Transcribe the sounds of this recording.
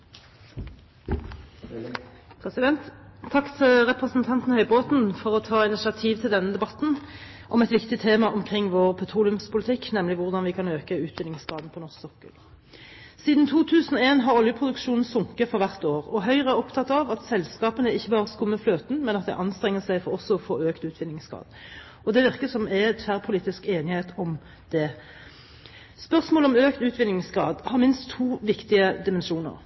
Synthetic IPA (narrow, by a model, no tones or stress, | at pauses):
pʰʁɛsɪd̪ɛnt̪ʰːɑkːt̪ʰɪlʁɛpʁəsn̩t̪ʰɑnt̪n̩hœʏboːt̪n̩fɔʁɔt̪ʰɑːɪnɪsɪɑt̪ʰiːʋt̪ʰɪld̪ɛnːəd̪ɛbɑt̪n̩ | ʔɔmɛt̪ʋɪkt̪ɪt̪ʰeːmɑʔɔmkʰʁɪŋːʋoːʁpʰɛt̪ʰʁuːlɪʉmspʰʊlɪt̪ʰɪkːnɛmlɪʋʊʁd̪ɑnʋɪkʰɑnøːkəʉːt̪bɪnɪŋskɑːd̪n̩pʰɔnɔssɔkːə̰l | siːd̪n̩t̪ʰuːt̪ʰʉːsən̩ɔeːnɦɑʁɔljəpʰʁʊd̪ʉkʂuːnn̩sʊŋkəfɔʁʋæʁt̪oːʁɔɦœʏʁəæʁɔpt̪ʰɑt̪ːɑʋɑt̪sɛlskɑːpənəɪçːəbɑːʁəskʊmːəfløːt̪n̩mɛnɑt̪̚d̪ɛ̰ʔɑnst̪ʁɛŋːəsæɪfɔʁɔsːɔɔfoːøːkt̪ʉːt̪ʰʋɪnɪŋskɑ̰ːd̪ | ɔd̪ɛʋɪʁkəsɔmæt̪fæːʁpʰʊliːt̪ɪskeːnɪheːt̪ɔm | d̪̥ɛ | spœʁsmoːləɔmøːkt̪ʉːt̪ʋɪnɪŋskɑːd̪hɑʁmɪnst̪ʰːuːʋɪkt̪ɪəd̪ɪmɛnʂuːnə̰ʁ